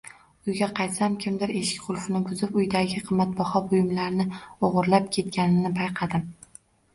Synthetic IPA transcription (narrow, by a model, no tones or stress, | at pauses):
ʊjɡʲaqʰɑjt̪samkʲʰɪmd̪ɪɾe̞ʃɪ̥kʲqʰʊlˠfɪnɪbʰʊzɪpʊjd̪aɡʲɪqʰɨmːat̪̚bɒhɒbʊjɪmlaɾnɪoʁʊɾlap̚kʲʰe̞t̪̚kʲanɪnɪpʰajqʰɑd̪ɪm